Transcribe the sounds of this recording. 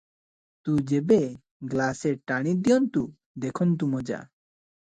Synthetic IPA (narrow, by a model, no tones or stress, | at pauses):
t̪ud͡ʒebe | ɡlaseɾʈaɽ̃id̪iɔnt̪u | d̪ekʰɔnt̪̬umɔd͡ʒa̰